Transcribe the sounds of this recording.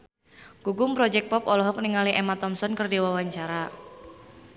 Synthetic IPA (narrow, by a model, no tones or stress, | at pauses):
ɡ̥uɡʊmpɾɔd͡ʒɛk̚pɔpɔlɔɦɔk̚niŋaliʔemat̪ɔmsɔnkərdiwawaɲt͡ʃaɾa